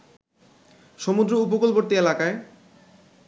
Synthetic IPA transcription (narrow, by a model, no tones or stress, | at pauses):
ʃomud̪ɾoup̬okolboɾt̪ielakae